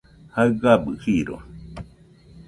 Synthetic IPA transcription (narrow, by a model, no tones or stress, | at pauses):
haɯɡabɨhiɾo̰